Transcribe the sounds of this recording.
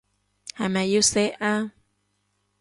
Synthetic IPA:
ha˨ma˨juseʔa˦

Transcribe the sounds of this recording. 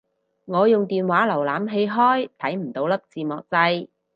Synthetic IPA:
ŋɔː˨˧jʊ˨ŋt̪iː˨nwaː˨˥lɐ˨˩wlaː˨˧mɦe˧jɦɔː˥jt̪ʰɐ˨˥jm̩˨˩t̪o˨˥wlɐ˥p̚t͡siː˨mɔ̰ː˨k̚t͡sɐ˧j

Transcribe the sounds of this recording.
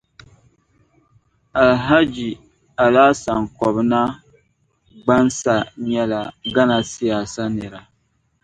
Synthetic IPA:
a˨lɦa˦d͡ʒi˨ | a˨laː˦sa˨ŋkɔ˨bna˦ | ɡ͡ba˦nsa˨ɲɛ˦la˨ɡa˦na˨sɪ˦ja˨sa˦nɨ˨ɾa˨

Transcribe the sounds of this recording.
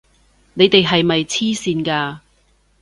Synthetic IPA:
ne˨˧jt̪e˨jɦɐ˨jmɐ˨jt͡sʰiː˥siː˧nkaː˧

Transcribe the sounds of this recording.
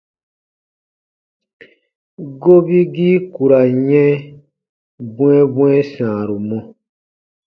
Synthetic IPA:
ɡo˦bi˦ɡiː˦ku˨ɾa˨ɲɛ̃˦ | bw̃ɛ̃˦bw̃ɛ̃˦sãː˨ɾu˨mɔ̃˦

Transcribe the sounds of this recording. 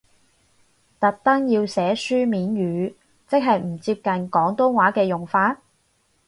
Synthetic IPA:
t̪ɐ˨˥k̚t̪ɐ˥ŋjiː˧wsɛː˨˥syː˥miː˨˥nɥyː˨˧ | t͡sɪ˥k̚ɦɐ˨jm̩˨˩t͡siː˧p̚kɐ˨nkɔː˨˥ŋt̪ʊ˥ŋwaː˨˥kɛː˧jʊ˨˩ŋfaː˧t̚

